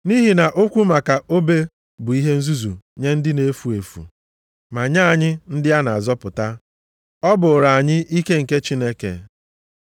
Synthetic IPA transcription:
ni˦ɦi˨na˨ʔo˦kʷu˦ma˨ka˨o˦be˦ | bʊ˨i˦ɦe˦n̩˦zu˦zṵ˨ɲe˦n̩˦dɪ˦ne˦fu˨e˨fṵ˨ | ma˨ɲa˦˨ɲɪ˦n̩˦dɪ˦a˦na˨a˨zɔ˦pʊ˨ta˦ | ɔ˦bʊ˨ɾa˨a˨ɲɪ˦ʔi˦ke˦ŋ̩˨ke˦t͡ʃi˦ne˦kḛ˨

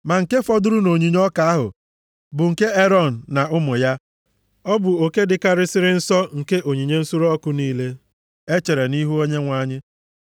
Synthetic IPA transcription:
ma˨ŋ̩˨ke˦fɔ˦dʊ˦ɾʊ˦no˨ɲi˨ɲɔ˦ka˨a˦ɦʊ̰˨ | bʊ˨ŋ̩˨ke˦e˦ɾɔ˦˨n̩˨na˨ʊ˦mʊ˨ja˦ | ɔ˦bʊ˨o˨ke˦dɪ˨ka˦ɾɪ˦sɪ˦ɾɪ˦n̩˦sɔ˦ŋ̩˨ke˦ʔo˨ɲi˨ɲe˦n̩˦su˦ɾɔ˦kʊ˦niː˦le˦ | e˦t͡ʃe˨ɾe˨ni˦ɦu˦o˦ɲe˦ŋʷa˦ɲɪ˦

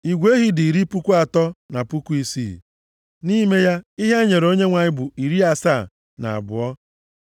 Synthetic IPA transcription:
i˨ɡʷe˦ɦi˦di˨ɾi˦pu˦kʷu˦a˨tɔ˦na˨pu˦ku˦i˦sḭ˦˨ | ni˦me˦ja˦i˦ɦa˦ɲe˨ɾo˦ɲe˦ŋʷa˨ɲɪ˦bʊ˨i˨ɾi˦a˨sa˦˨ | na̰˨a̰˨bʊ̰˨ɔ˦

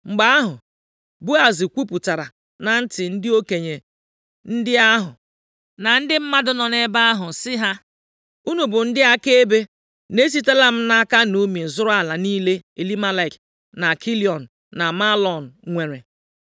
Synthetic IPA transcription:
ŋ͡m̩˨ɡ͡ba˦a˦ɦʊ˨ | bu˦a˨zi˨kʷu˦pu˨ta˨ɾa˨ | na˨n̩˦tɪ˨n̩˦dɪ˦o˦ke˨ɲe˨ | n̩˦dɪ˦a˦ɦʊ˨ | na˨n̩˦dɪ˦m̩˦ma˦dʊ˦nɔ˨ne˦ba˦a˦ɦʊ˨sɪ˦ɦa˦ | u˦nu˨bʊ˨n̩˦dɪ˦a˦ke˦e˦be˦ | ne˦s̬i˦te˦la˦m̩˦na˦ka˦nu˦mi˨zʊ˦ɾa˦la˨niː˦le˦e˨li˦ma˦la˦˨k | na˨kʰi˦li˨ɔ˨n̩˨ | na˨ma˦lɔ˨n̩˨ŋʷe˨ɾe˨

